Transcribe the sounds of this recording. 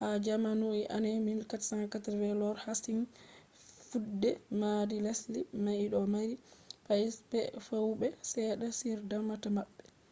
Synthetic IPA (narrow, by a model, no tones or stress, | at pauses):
ʔad͡ʒamanuiʔanɛminkatsaŋkataɾwɛlɔɾhasin | fudːɛmaɾilaslimajɗɔmaɾipajispɛfowɓɛsɛɗasiɾdamatamaɓːɛ